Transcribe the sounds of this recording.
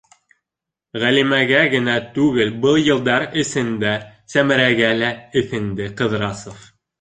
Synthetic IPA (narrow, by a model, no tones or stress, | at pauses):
ʁælimæɡæɡɘ̆næt̪ʉɣɘlbɤlˠjɤ̆lˠd̪ɑɾɘ̆sɘ̆nd̪æsæmɘ̆ɾæɡælæɘ̆θɘ̆nd̪ɘqɤ̆ðɾɑsof